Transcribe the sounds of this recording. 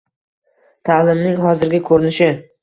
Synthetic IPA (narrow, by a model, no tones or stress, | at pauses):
t̪ʰalɪmnɪŋɦɒzɪɾɡʲakʰɵɾɪnɪʃɪ